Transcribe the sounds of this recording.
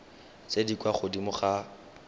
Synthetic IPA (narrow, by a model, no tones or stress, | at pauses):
t͡sedikwaχʊdimʊχa